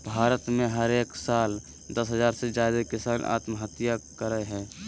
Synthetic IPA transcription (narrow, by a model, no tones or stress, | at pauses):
bʱaːɾət̪mẽɦəɾeːksaːl | d̪əsɦəzaːɾsed͡ʒad̪ekɪsaːnʔa̰ːt̪məɦət̪jakəɾəɦɛ̃ː